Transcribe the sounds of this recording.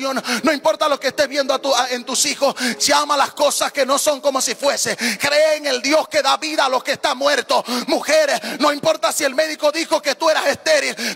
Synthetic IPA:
onnːo̞impoɾt̪alo̞keːst̪eβje̞nd̪oat̪uaent̪usixo̞sʝamalasko̞saske̞no̞so̞ŋko̞mo̞sifwe̞sekɾe̞ːŋe̞ld̪jo̞ske̞ðaβiðaːlo̞keːst̪amwe̞ɾt̪o̞muxe̞ɾesno̞impo̞ɾt̪asie̞lme̞ðiko̞ðixo̞ke̞t̪ue̞ɾase̞st̪e̞ɾil

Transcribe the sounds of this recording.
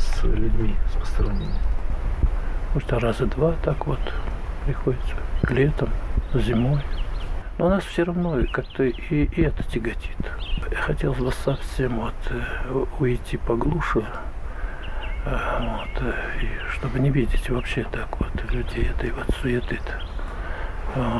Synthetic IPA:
sslʲʉdʲmʲiɾəspə̥st̪ɾɐvnʲenʲɪj | most̪ərazəd̪vat̪akvo̞t̪pɾʲɪxodʲɪt̪sə̥klʲet̪əmzʲɪmo̞jnonasfsʲɪrɐvno̞kak̚t̪əiːɛt̪ə̥tʲɪɡɐtʲi̥t̪jaxɐtʲe̞lˠsʲbəsɐfsʲe̞mvo̞t̪ | ʊɪtʲipɐɡlˠuʂʊ | vot̪iʂt̪o̞bɨnʲɪvʲidʲɪtʲvɐpɕːet̪akvot̪lʲʉdʲejɛt̪əjvot̪sʊet̪ɨt̪

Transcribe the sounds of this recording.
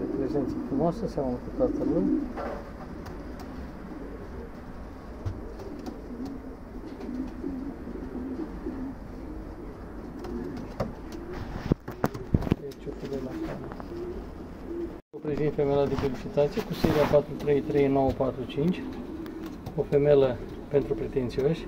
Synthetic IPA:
d̪epɾezent̪səfɾumoasəsaməməkut̪at̪əɾun | t͡ʃofemelasal | opɾezint̪fe̞melad̪efelit͡ʃit̪at̪sijekuseɾiapat̪ɾut̪ɾe̞jt̪ɾe̞jno̞wəpat̪ɾut͡ʃint͡ʃʲ | o̞fe̞melə | pe̞nt̪ɾupɾe̞t̪e̞nt̪sioʃʲ

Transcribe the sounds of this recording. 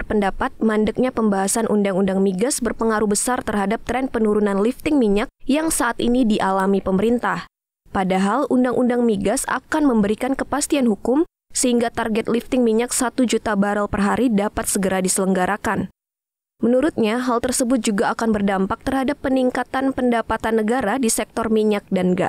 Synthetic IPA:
rpəndapat̪̚mandək̚ɲapəmbaɦasanʔundaŋundaŋmiɡasbərpəŋaɾubəsart̪ərɦadap̚t̪ɾɛnpənuɾunanlift̪ɪŋmiɲak̚jaŋsaʔat̪inidiʔalamipəməɾint̪ah | padaɦalʔundaŋʔundaŋmiɡasa̰kanməmbəɾikankəpast̪ianɦukʊm | səhiŋɡat̪arɡɛt̪̚lift̪ɪŋmiɲak̚sat̪ud͡ʒut̪abaɾəlpərɦaɾidapat̪̚səɡəɾadisələŋɡaɾakan | mənuɾʊt̪̚ɲaɦalt̪ərsəbʊt̪̚d͡ʒuɡaːkanbərdampak̚t̪ərɦadapːəniŋkat̪anpəndapat̪anːəɡaɾadisɛk̚t̪ɔrmiɲak̚danɡa̰

